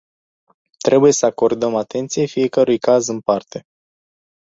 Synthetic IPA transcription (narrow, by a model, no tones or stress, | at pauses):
t̪ɾe̞buje̞səako̞rd̪əmat̪e̞nt̪sije̞fije̞kəɾujkazɨnpart̪e̞